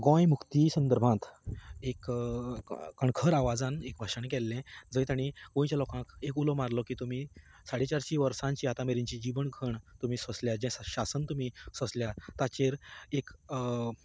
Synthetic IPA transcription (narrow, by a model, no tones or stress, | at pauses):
ɡɔ̃jmukt̪isənd̪əɾbʱãt̪ek | kəɳkʰəɾaʋad͡zãnek̚bʱaɕəɳkɛlːɛ̃d͡zəjt̪aɽ̃iɡõĩt͡ɕalɔkãkekulɔmaɾlɔkiːt̪um̤i | saɽet͡ɕaɾɕiʋəɾsãɲt͡ɕiat̪ãmeɾiɲt͡ɕid͡ʑiʋəɳɡʱəɳt̪um̤iːsəsljad͡ʑɛ̃ɕasənt̪um̤isəsljat̪at͡ɕeɾek